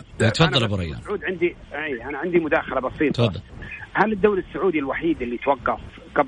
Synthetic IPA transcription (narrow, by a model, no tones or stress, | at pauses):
t̪fɑðˤːɑlbɾˤɑ̰jːa̰ʕuːd̪ʕɪnd̪iʔeːʔanaʕɪnd̪imʊd̪aːxalabɑsˤiːt̪fɑðˤːɑlhalɪd̪ːawlɪsːʊʕuːd̪ilwaħiːd̪ɪlːit̪wɑqːɑf | ɡab